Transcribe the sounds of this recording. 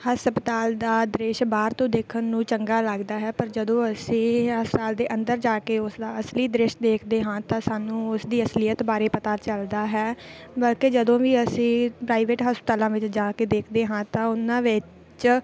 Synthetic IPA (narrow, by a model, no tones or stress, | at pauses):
həspət̪aːld̪aːd̪ɾɪʃbaːɾt̪õːd̪eːkʰənːũːt͡ʃəŋɡaːləɡd̪aːɦɛːpəɾd͡ʒəd̪õːəsĩːəsaːld̪eːʔənd̪əɾd͡ʒaːkeːʊsd̪aːəsliːd̪ɾɪʃd̪eːkʰd̪eːɦãːt̪ãːsaːnũːʊsd̪iːəslɪjət̪baːɾeːpət̪aːt͡ʃəld̪aːɦɛː | bəlkeːd͡ʒəd̪õːʋiːəsĩːpɾaːiʋeːʈɦəspət̪aːlãːʋɪt͡ʃd͡ʒaːkeːd̪eːkʰd̪eːɦãːt̪ãːʊnãːʋɪ | t͡ʃ